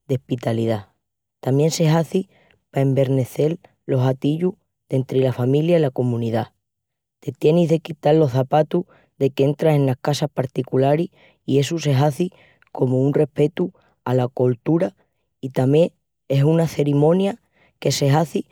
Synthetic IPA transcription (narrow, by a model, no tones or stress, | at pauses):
d̪e̞hpit̪aliða | t̪amjẽ̞nse̞ɦaθi | pae̞mbe̞ɾne̞θe̞l | lo̞ɦat̪iʎu | ðe̞nt̪ɾelafamiljailako̞mũniða | t̪e̞t̪je̞niɦðe̞kit̪aɾlo̞θapat̪u | ðe̞kee̞nt̪ɾase̞nlahkasahpaɾt̪ikulaɾi | ie̞suse̞ɦaθi | ko̞mounre̞pe̞t̪u | alako̞lt̪uɾa | it̪amje̞ | e̞sunaθe̞ɾimõ̞nja | ke̞se̞ɦaθi